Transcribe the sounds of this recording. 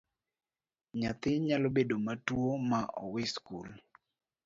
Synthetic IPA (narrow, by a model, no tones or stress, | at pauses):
ɲat̪ɪɲalobedomatwomaʔɔ̰wɪskul